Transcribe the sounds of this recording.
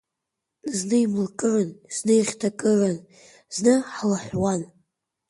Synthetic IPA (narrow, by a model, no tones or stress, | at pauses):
nznɨimɨlkʼɨrɨnz̥nɨjʁʲtʰakʼɨrɨn | z̥nɨħlaħʷwan